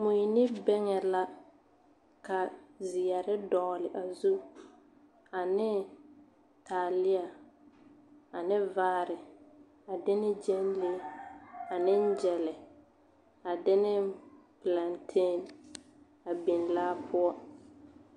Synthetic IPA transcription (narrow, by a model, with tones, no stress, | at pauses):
mu˨i˨nɪ˦bɛ˦ŋɛ˨la˦ | ka˨zɪ˨ja˨ɾɪ˦dɔ˨lɪ˨ʔa˨zu˦ | a˨nɪ˦ | taː˨lɪ˦a˨ | a˨nɪ˦vaː˦ɾɪ˨ | a˨dɪ˦nɪ˦d͡ʒɛ˦n˦le˦ | a˨nɪ˦n̩˦d͡ʒɛ˨lɛ˨ | a˨dɪ˦nɪ˦pla˨ntʰe˦˨n | a˨bi˨nlaː˦pʰʊ˦ɔ˦